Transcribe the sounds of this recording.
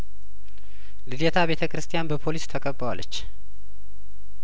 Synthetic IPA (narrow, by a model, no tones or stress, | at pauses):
lɨljɛt̪ʰaβe̞t̪ʰəkʰɨɾɨst̪ʰijanbəpʰo̞list̪ʰəkʼəbːəwa̰lːət͡ʃː